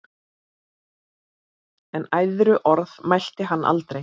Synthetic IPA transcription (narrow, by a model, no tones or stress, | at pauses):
ɛnajðɾʏʔɔɾðmajl̥t̪ɪɦanːʔa̰lt̪ɾej